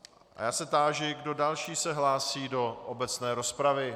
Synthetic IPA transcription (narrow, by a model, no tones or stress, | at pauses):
ʔa̰jaːsɛt̪aːʒɪɡdo̞dalʃiːsɛɦlaːsiːdo̞ʔobɛt͡snɛːɾo̞spɾavɪ